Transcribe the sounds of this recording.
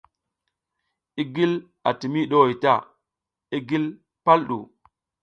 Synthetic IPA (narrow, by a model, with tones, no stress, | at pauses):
i˦ɡi˦l | a̰˨ti˨mi˦ɗo˦˨i˨ta˦˨ | i˦ɡi˦l | pa˦lɗṵ˨